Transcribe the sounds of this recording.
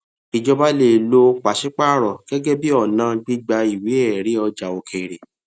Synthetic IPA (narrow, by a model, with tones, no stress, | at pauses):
i˨d͡ʒɔ˦ba˦le˦˨lo˧˦k͡pa˨ʃi˦k͡pa˦˨ɾɔ˨ɡ̥ɛ˦ɡɛ˦bi˦ɔ˦˨nãː˨˧˦ɡ͡bi˦ɡ͡ba˧i˨wi˨˦ɛ˦˨ɾi˨˦ɔ˧d͡ʒa˨o˨kʰe˨ɾe˨